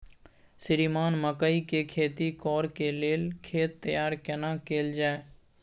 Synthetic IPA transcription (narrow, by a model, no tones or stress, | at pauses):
sɪɾiːmaːnməkəikeːkʰeːt̪iːkɔːɾkeːleːlkʰeːt̪ːəjaːɾkenãːkeːld͡ʒaːeː